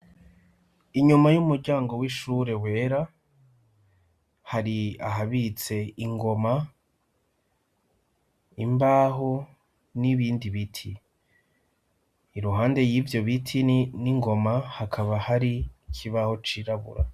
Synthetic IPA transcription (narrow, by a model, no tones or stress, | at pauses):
iɲumajumuɾɟaːŋɡo̞wiʃuːɾe̞we̞ːɾa | haɾiaɦaβit͡se̞iŋɡo̞ma | imbaːɦo | niβiːndiβitʰi | ɾuɦaːnde̞jivjo̞βitʰiniŋɡo̞mahakʰaβahaɾicʰiβaho̞t͡ʃiɾaβṵɾa̰